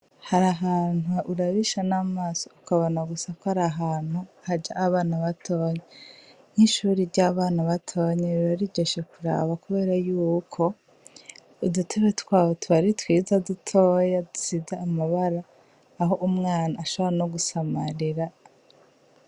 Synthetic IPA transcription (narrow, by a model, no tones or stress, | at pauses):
haɾaɦaːnuʔuɾaβiʃanamaːso̥ukaβonaɡusakohaɾaɦaːn̥huhad͡ʒaʔːβaːnaβatʰo̞ːɲe | n̥iʃuːɾiɾɟaβaːnaβatʰo̞ɲeβiβaɾiɟeʃekuɾa̰ːβakuβe̞ːɾajuːkʰo̞ | dutʰe̞βetwaːβotuβaɾitwiːzadutʰo̞ːjadusizaːmaβaɾaː | ɦo̞ʔumŋaːnaːʃo̞βoɾanoɡusamaɾiɾa